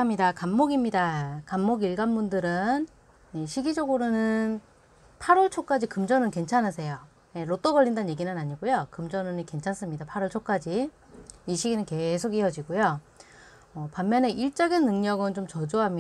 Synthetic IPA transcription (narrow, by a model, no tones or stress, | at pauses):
amɲidakamːoɡimɲidakamːoɡiɭɡanbundɯɾɯn | jeɕʰiɡid͡ʑʌɡɯɾonɯn | pʰaɾʌɭt͡ɕʰok͈ad͡ʑikɯmd͡ʑʌnɯnke̞nt͡ɕʰanɯsʰe̞jo | je̞ɾot͈oɡʌʎːindanje̞ɡinɯnaɲiɡojokɯmd͡ʑʌnɯnike̞nt͡ɕʰans͈ɯmɲidapʰaɾʌɭt͡ɕʰok͈ad͡ʑi | iɕʰiɡinɯnke̞sʰokijʌd͡ʑiɡojo | ʌpammːjʌne̞ʔiɭt͡ɕ͈ʌɡinːɯŋɲʌɡɯnt͡ɕomt͡ɕʌd͡ʑoɦam